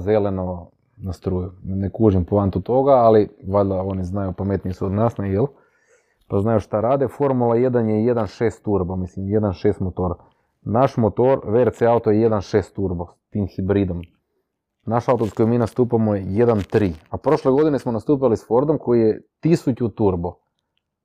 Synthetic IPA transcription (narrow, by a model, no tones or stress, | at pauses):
zeleno̞ | nast̪ɾuːjunekuːʒimplˠant̪ut̪o̞ɡaːliʋaʎd̪ao̞niznajupamet̪nisuod̪naːsnejelˠ | paznajuʃt̪aɾaːd̪efo̞ɾmulˠaje̞d̪anjeje̞d̪anʃeːst̪uɾbomislimje̞d̪anʃeːst̪mot̪oːɾa | naʃmot̪oɾʋeɾt̪seaut̪ojeje̞d̪anʃeːst̪ːuɾbost̪iːmxibɾid̪om | naʃaut̪oskojmiːnast̪uːpamoeje̞d̪ant̪ɾiapɾo̞ʃleɡo̞d̪inesmonast̪uːp̬ilisfo̞ɾd̪omko̞jijet̪isut͡ɕut̪uɾbo